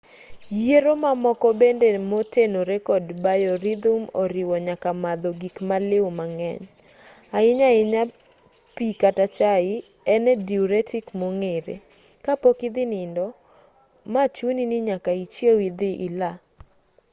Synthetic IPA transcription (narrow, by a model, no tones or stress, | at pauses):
jeɾomamɔkɔbendemotenoɾɛkɔdbajɔɾid̪umoɾɪwɔɲakamad̪oɡikmalɪwmaŋɛɲ | aɪɲaɪɲa | pikatat͡ʃaɪ | ɛnɛdiuɾɛtʰɪkmoŋeɾḛ | kapokɪd̪ɪnɪndɔ | mat͡ʃuniniɲakait͡ʃjewid̪ɪʔɪla